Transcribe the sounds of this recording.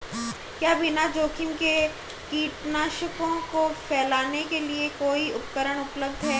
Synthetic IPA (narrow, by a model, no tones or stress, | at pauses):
kjaːbɪnad͡ʒoːkʰɪmke | kiːʈnaːʃəkõkopʰɛːlaːnekeliekoːiʊpkəɾəɽ̃ʊpləbd̪ʱɦɛː